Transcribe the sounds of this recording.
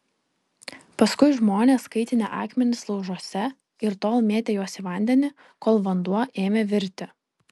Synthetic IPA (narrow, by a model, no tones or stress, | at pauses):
pɐskʊɪʒmoːnʲeːskɐɪt̪ʲɪnʲɛ̰ʔɑːkmʲɛnʲɪslˠɒʊʒuɔsʲɛ | ɪɾt̪oːlˠmʲeːt̪ʲeːjuɔsʲiʋɐˑnʲd̪ʲɛnʲɪ | koːlˠʋɐnd̪uɔʔeːmʲeʋʲɪɾʲt̪ʲɪ